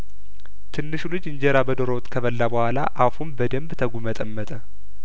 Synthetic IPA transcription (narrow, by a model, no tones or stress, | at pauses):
t̪ʰɨnːɨʃulɨd͡ʒɨɲd͡ʒeɾabəd̪oɾowt̪ʼkʰəβəlːabəhʷalaʔafumbəd̪əmbt̪ʰəɡumət̪ʼəmːət̪ʼə